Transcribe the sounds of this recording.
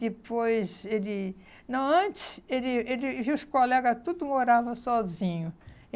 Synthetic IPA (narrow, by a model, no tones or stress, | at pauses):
d̪ɪpojzelɪ | nɐ̃w̃ɐ̃t͡ʃɪ̥selɪelɪviwʊskolɛɡɐt̪ud̪ʊmoɾavɐsɔzĩɲʊ